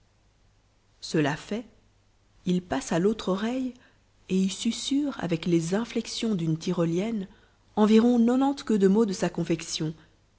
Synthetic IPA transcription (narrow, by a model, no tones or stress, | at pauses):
səlafɛ | ilpasalot̪χɔʁɛj | eilsysyʁa̰vɛklezɛ̃flɛksjɔ̃d̪ynt̪iʁɔljɛn | ɑ̃viʁɔ̃nɔnɑ̃t̪kəd̪əmod̪əsakɔ̃fɛksjɔ̃